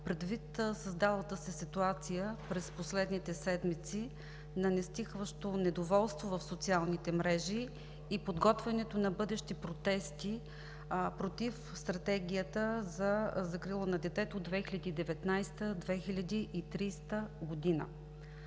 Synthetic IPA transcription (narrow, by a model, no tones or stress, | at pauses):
pɾɛd̪vit̪səzd̪alˠət̪əsɛsit̪uat̪sijəpɾɛsposlɛd̪nit̪ɛsɛd̪mit̪si | nɐnɛst̪ixvəʃt̪onɛd̪ovɔlˠst̪vovɐfsot̪sialˠnit̪ɛmɾɛʒiː | pod̪ɡɔt̪vɛnɛt̪onɐbɤd̪ɛʃt̪ipɾot̪ɛst̪i | pɾot̪if | st̪ɾɐt̪ɛɡʲijət̪əzɐzɐkɾilˠonɐd̪ɛt̪ɛt̪ood̪ːvɛxilʲɐd̪iːd̪ɛvɛt̪najst̪əd̪vɛxilʲɐd̪iʔit̪ɾist̪əɡod̪inə̰